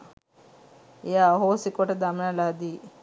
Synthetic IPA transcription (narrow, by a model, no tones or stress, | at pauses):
jaɦosikoʈɐd̪amnalad̪i